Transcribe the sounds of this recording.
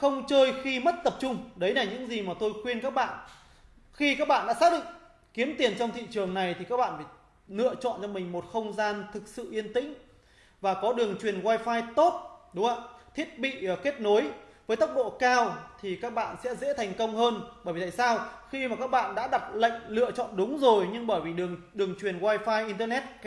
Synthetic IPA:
xə˧wŋ͡mt͡ɕəː˧jxi˧mə˦˥t̚t̪ə˨˩p̚t͡ɕʊ˧ŋ͡mɗə˨˦jlaː˨˩ɲɨ̰˧˥ŋzi˨˩maː˨˩t̪o˧jxwi˧ənka˦˥k̚ɓa̰ː˧˨n | xi˧kaː˦˥k̚ɓa̰ː˧˨nɗa̰ː˧˥saː˦˥ɗɨ̰˧˨ŋ | ki˨˦əmt̪i˨˩ənt͡ɕɔ˧wŋ͡mt̪ʰḭ˧˨t͡ɕɨ˨˩əŋna˨˩jt̪ʰi˨˩kaː˦˥k̚ɓa̰ː˧˨nfː | nɨ̰˧˨ət͡ɕɔ̰˧˨nt͡ɕɔ˧mï˨˩ŋ̟mo˨˩t̚xə˧wŋ͡mzaː˧nt̪ʰɨ˨˩k̚sɨ̰˧˨ʔi˧ənt̪ï˧˥ŋ̟ | vaː˨˩kɔ˨˦ɗɨ˨˩əŋt͡ɕwi˨˩ənɣwaː˧jfaː˧jt̪o˦˥t̚ɗʊ˨˦ŋ͡ma̰ː˧˨t̪ʰi˦˥ət̚ɓḭ˧˨˩ke˦˥t̚no˨˦jvəː˨˦jt̪ə˦˥wk͡p̚ɗo̰˧˨kaː˧wt̪ʰi˨˩kaː˦˥k̚ɓa̰ː˧˨nsɛ̰˧˥zḛ˧˥t̪ʰa˨˩jŋ̟kə˧wŋ͡mhəː˧nɓəː˧˩vi˨˩t̪a̰ː˧˨saː˧wxi˧maː˨˩kaː˦˥k̚ɓa̰ː˧˨nɗa̰ː˧˥ɗa˨˩p̚lə̰˧˨jŋ̟lɨ̰˧˨ət͡ɕɔ̰˧˨nɗʊ˨˦ŋ͡mzo˨˩jɲɨ˧ŋɓəː˧˩jvi˨˩ɗɨ˨˩əŋɗɨ˨˩əŋt͡ɕwi˨˩ənɣwaː˧jfaː˧jʔi˧nt̪əː˧nɛ˦˥t̚

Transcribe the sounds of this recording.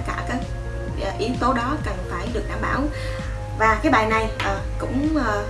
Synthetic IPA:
kaː˧˩kaː˨˦j | ʔːʔi˨˦əwt̪o˨˦ɗɔ˨˦kə˨˩nfaː˧˩jɗɨ˨˩ək̚ɗaː˧˩mɓaː˧˩w | vaː˨˩kaː˨˦jɓaː˨˩jna˨˩jʔəː˨˩kʊ̰˧˥ŋ͡mə˨˩

